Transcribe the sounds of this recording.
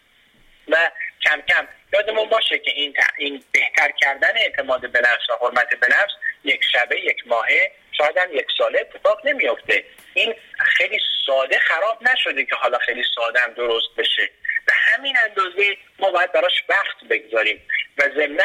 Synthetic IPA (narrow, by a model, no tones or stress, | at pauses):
væcʲʰæmcʰæmjɒːd̪emunbɒːʃecʰe̞ʔin̰inbe̞ht̪ʰæɾcʲʰæɾd̪æneːʔt̪ʰe̞mɒːd̪e̞be̞næfsvæhoɾmæt̪ʰe̞be̞næfsje̞kʰʲʃæbejecʰmɒːɦe̞ | ʃɒːjed̪æmje̞kʲsɒːleet̪ʰːe̞fɒːʁne̞mijo̞ft̪e̞ | ʔiːnxejlisɒːd̪e̞xæɾɒːb̚næʃo̞d̪ekʰeɦɒːlɒːxejlisɒːd̪eæmd̪oɾost̪̚be̞ʃeb̥ehæminænd̪ɒːzemɒːbɒːjæd̪̚bæɾɒːʃvæχt̪be̞ɡzɒːɾiːmvæze̞mnæ